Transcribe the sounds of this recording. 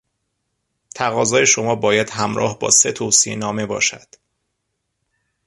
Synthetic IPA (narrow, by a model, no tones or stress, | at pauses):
t̪ʰæɣɒːzɒːje̞ʃo̞mɒːbɒːjæd̪̥hæmɾɒ̰ːhbɒ̰ːse̞t̪ʰosiḛnɒːme̞bɒ̰ːʃæd̪̥